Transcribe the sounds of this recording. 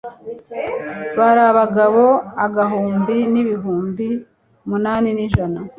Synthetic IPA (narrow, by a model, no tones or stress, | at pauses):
βaɾaβaɡaβo̞aɡaɦuːmbiniβiɦuːmbi | munaːniniʒana